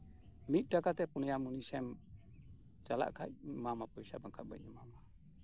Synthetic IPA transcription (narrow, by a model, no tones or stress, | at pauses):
mik̪̚dakat̪ɛpunejamunisɛm | t͡ʃala̰ʔka̰mamapuisabaŋkaba̰ɲumama